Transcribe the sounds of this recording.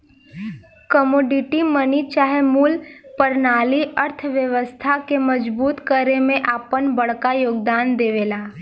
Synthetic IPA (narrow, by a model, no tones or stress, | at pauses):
kəmoːɖɪʈimənit͡ʃaːɦemuːlpəɾnaːliʔəɾt̪ʰʋjəʋəst̪ʰakeməd͡ʒbuːt̪kəɾemẽʔaːpənbəɽkajoːɡ̚d̪aːnd̪eːʋeːlaː